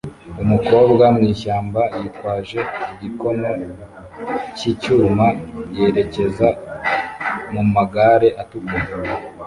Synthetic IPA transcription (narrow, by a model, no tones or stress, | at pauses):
umuko̞ːbɡamŋiːʃaːmbajitwaːʒe̞iɟiko̞no | cicuːmaje̞ɾe̞ce̞za | mumaɡaɾeʔatukum